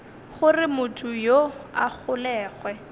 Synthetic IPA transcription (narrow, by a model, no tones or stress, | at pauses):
χʊrɪmʊtʰʊjoak͡xʰʊlɛːχwɛ